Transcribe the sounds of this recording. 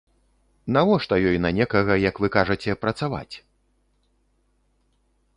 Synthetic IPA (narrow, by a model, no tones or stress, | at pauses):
navɔʂt̪ɐjɔjnɐnʲɛkɐɣɐjɐkvɨkaʐɐt͡sʲɛpɾɐt̪sava̰t͡sʲ